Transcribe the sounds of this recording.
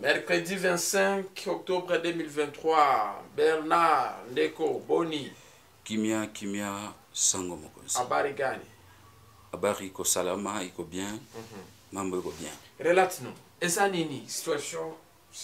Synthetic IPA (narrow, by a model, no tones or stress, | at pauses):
mɛɾkʁedivɛ̃sɛ̃kɔk̚t̪ɔbʁedømilvɛ̃t̪χwabɛʁnandekoboni | kimjakimja | sãŋɡomoko̰abaɾiɡanḭ | abaʁikosalamaikobjɛ̃ | mãmboikobjɛ̃ɾelatinɔ̃ | ezaninisi̥t̪ɥasjɔ̃